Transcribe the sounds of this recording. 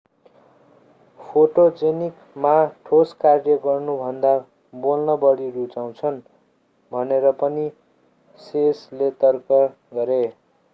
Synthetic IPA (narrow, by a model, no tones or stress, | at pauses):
pʰoʈod͡zenik | maʈʰoskarjʌɡʌrnubʱʌnd̪a | bolnʌbʌɽiɾut͡saw̃t͡sʰʌn | bʱʌneɾʌpʌni | seslet̪ʌrkʌ | ɡʌɾe